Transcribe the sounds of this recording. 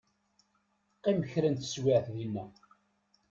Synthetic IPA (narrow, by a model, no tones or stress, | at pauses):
qːiməçɾænt̪ə̥swɪʕθðinːæ